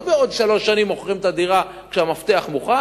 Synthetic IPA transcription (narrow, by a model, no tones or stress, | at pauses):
beod̪ʃalo̞ʃːanimoχχimet̪ad̪iʁa | kʃeamaft̪eaχmuχa